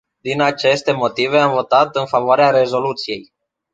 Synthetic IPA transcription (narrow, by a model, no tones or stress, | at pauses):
d̪inat͡ʃe̞st̪e̞mo̞t̪ive̞amvo̞t̪at̪ɨnfavoaɾeaɾe̞zo̞lut̪sije̞̰j